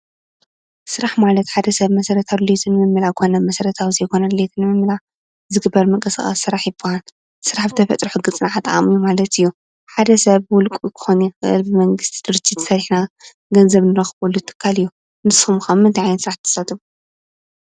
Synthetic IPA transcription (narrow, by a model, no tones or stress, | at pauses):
sɨɾaħmalɐt̪ħad̪ɐsɐβmɐsɐɾɐt̪ʰawɨlet̪ʰɨnːɨmɨmːɨlakʰo̞nɐmɐsɐɾɐt̪ʰawzɐjkʰo̞nɐlɨlet̪ʰɨnːɨmɨmːɨla | zɨɡɨbːɐɾmɨkʼɐsɨ̰xʼa̰sːɨɾaħjɪbːɐhan | sɨɾaħbɨt̪ʰɐfɐt̪ʼɾħɨɡɨt͡sʼnaʕat̪ʼɨa̰mɨjumalɐt̪ɨjːu | ħad̪ɐsɐβwʊlkʼukʰɨ̥xonjɪxɨʔɨ̰lbɨmɐŋɡɨst̪ʰi̥d̪ɨɾt͡ʃʰːizɨ̥sɐɾħna | ɡɐnzɐβnɨɾɐxβulːut̪ʰɨ̥kʰːalɨjːu | nɨsumxɐmɨnt̪ʰiʕajnsɨɾaħt̪ʰɐ̥sat̪ʰɨfu